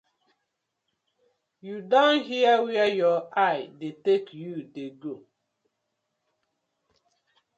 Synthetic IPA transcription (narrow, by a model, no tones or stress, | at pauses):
judãnɦiəwiajɔajdetekjudeɡo